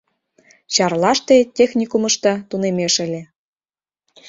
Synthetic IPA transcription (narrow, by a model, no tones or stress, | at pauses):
t͡ɕɑrlɑʃt̪etʲexnʲikumɤ̆ʃt̪ɑt̪unemeʃə̆lʲĕ